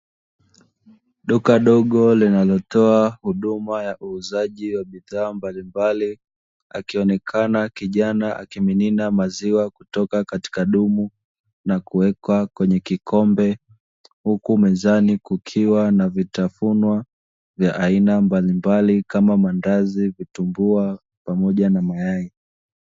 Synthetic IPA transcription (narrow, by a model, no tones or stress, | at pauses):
ɗukaɗɔɠɔlinalɔtɔahuɗumajaʔuːzaʄiwaɓiðaːmbalimbali | a̰kiɔnɛkʰanakiʄanaʔa̰kimininamaziwakutɔkakati̥kaɗumu | nakuwɛkwakwɛɲɛkikʰɔmbɛ | hukumɛzanikukʰiwanavitafunwa | vjaʔainambalimbalikamamandazivitumbua | pamɔʄanamajai